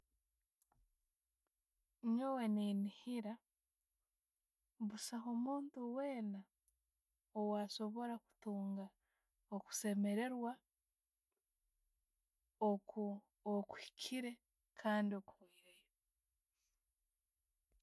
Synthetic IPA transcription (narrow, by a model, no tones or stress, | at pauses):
ɲowe̞ninihiɾa | βusaɦomuːntuweːna | owaːso̞βo̞ɾaku̥tuːŋɡa | oku̥se̞me̞ɾe̞ɾwa | o | oku̥hi̥kʰiɾe̞ | kʰaːndio̞ku̥hoiɾejo